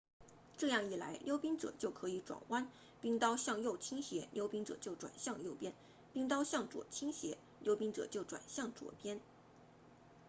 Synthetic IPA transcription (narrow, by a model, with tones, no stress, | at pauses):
ʈ͡ʂɤ˥˧jɑ˥˧ŋi˥˩la̰˧˥ɪljo˥ʊpi˥ŋʈ͡ʂɤ̰˨˩t͡ɕjo˥˩ʊkʰɤ˧˥i˧˥ʈ͡ʂwa̰˨˩nwa˥n | pi˥˧ŋt̪ɑ˥ʊɕjɑ˥˧ŋjo˥˩ʊt͡ɕʰi˥ŋɕjɛ˧˥ljo˥ʊpi˥ŋʈ͡ʂɤ̰˨˩t͡ɕjo˥˩ʊʈ͡ʂwa̰˨˩nɕjɑ˥˧ŋjo˥˩ʊpjɛ˥n | pi˥˧ŋt̪ɑ˥ʊɕjɑ˥˩ŋʈ͡ʂwɔ̰˨˩t͡ɕʰi˥ŋɕjɛ˧˥ | ljo˥ʊpi˥ŋʈ͡ʂɤ̰˨˩t͡ɕjo˥˩ʊʈ͡ʂwa̰˨˩nɕjɑ˥˩ŋʈ͡ʂwɔ̰˨˩pjɛ˥n